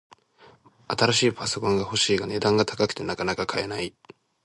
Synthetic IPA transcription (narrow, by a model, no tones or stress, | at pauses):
at̪aɾaɕiːpaso̞kõ̞ŋɡaho̞ɕiːɡane̞d̪ãŋɡat̪ʰḁkakɯ̟̥t̪e̞nakanakakʰae̞nai